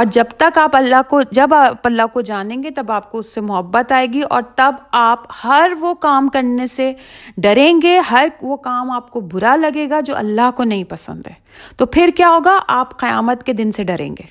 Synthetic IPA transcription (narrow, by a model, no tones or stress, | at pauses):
ɔːɾd͡ʒɐbt̪ɐkaːpɐlːaɦkod͡ʒɐbaːpɐlːaɦkod͡ʒaːnẽːŋɡet̪ɐbaːp̚koʊsːemʊɦəbːət̪aːeːɡiʔɔ̰ːɾt̪ɐbaːphɐɾʋokaːmkɐɾneseɖɐɾẽːŋɡeɦɐɾʋokaːmaːp̚kobʊɾalɐɡeːɡad͡ʒo̰ːʔɐ̰lːaɦkonɐɦĩpɐsə̰̃nd̪ɦɛː | t̪opʰɪɾkjaːɦoːɡaʔaːpqɐja̰ːmət̪ked̪ɪnseɖɐɾḛ̃ːŋɡeː